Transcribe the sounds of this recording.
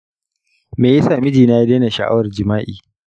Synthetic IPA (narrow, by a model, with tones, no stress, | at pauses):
meː˨je˦saː˨mɪ˦d͡ʒiː˨naː˦ji˦deː˦na˨ʃa̰˨ʔa̰˦wɐ˨rd͡ʒɪ˨maː˦ʔḭː˨